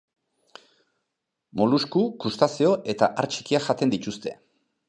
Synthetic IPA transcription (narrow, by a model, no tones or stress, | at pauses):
moluskukust̪asio̞ʔe̞t̪aʔaɾt͡ʃi̥kiaʝat̪e̞nd̪it̪ust̪e̞̰